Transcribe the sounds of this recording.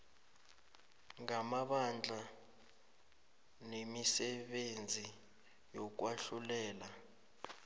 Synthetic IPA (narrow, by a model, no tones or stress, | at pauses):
ŋamaɓand͡ɮʱa | nemisɛɓend͡zʱi | jɔk̬waɬulɛːla